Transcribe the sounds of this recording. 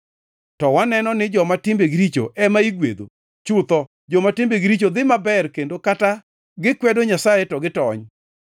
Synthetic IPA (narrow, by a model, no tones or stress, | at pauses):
tɔwanɛnɔnɪd͡ʒɔmatɪmbeɡɪɾit͡ʃo̰ʔɛmaiɡwḛd̪o̰ | t͡ʃʊt̪ɔ | d͡ʒɔmatɪmbeɡɪɾit͡ʃod̪ɪmabɛrkendokata | ɡɪkwɛdoɲasajetɔɡɪtɔɲ